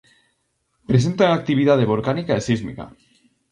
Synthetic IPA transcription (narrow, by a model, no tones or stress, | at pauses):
pɾesent̪aŋak̚t̪iβiðað̞eβ̞olkanikaesizmḭka̰